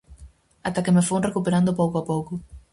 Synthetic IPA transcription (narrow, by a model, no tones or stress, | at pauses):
at̪akemefoŋrekupeɾand̪ʊpowkoapowkʊ